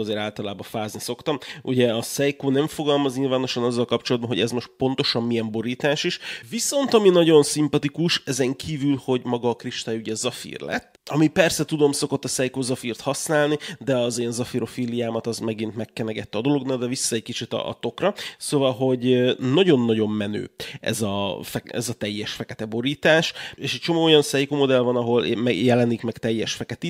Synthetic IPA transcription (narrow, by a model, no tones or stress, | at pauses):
zeːɾaːlt̪ɒlaːbɒfaːzniso̞kt̪ɒmuɟɛɒsɛjkoːnɛɱfo̞ɡɒlmɒzɲiːlvaːno̞ʃɒnɒzːɒlkɒp̚t͡ʃolɒd̪bɒnɦo̞ɟɛzmo̞ʃt̪̚po̞n̪t̪o̞ʃɒmːiɛmbo̞ɾiːt̪aːʃiʃviso̞nt̪ɒminɒɟo̞nsimpɒt̪ikuʃɛzɛŋkʰiːvylho̞ɟmɒɡɒːkriʃt̪aːjuɟɛzɒfḭːrlɛ̰t̪ːɒmipɛrsɛt̪ud̪o̞mso̞ko̞t̪ːɒsɛjkoːzɒfiːrt̪hɒsnaːlnid̪ɛɒzeːnzɒfiɾo̞fiːlijaːmɒt̪ɒzmɛɡint̪mɛkːɛnɛɡɛt̪ːɛɒd̪o̞loɡnald̪ɛvisːɒɛckit͡ʃit̪ɒ̰t̪o̞krɒsoːvɒlɦo̞ɟnɒɟo̞nːɒɟo̞mːɛnø̰ːɛ̰zɒ̰fɛɛ̰zɒt̪ɛjːɛʃfɛkɛt̪ɛbo̞ɾiːt̪aːʃeːʃɛc̚t͡ʃo̞moːo̞jɒnsɛjkoːmo̞d̪ɛlvɒnɒɦo̞lmɛjɛlɛnikmɛkt̪ɛjːɛʃfɛkɛt̪i